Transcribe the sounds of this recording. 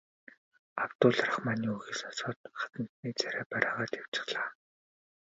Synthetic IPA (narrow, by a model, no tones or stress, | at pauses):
awt̪ʊːɮarə̆χmaniːuɣiːsansɔːt̪̚χḁt̪ə̆n̥t̪niːt͡sæɾʲaːpæɾʲaːʁaːt̪aw̥t͡ɕɪ̥̆χɮaː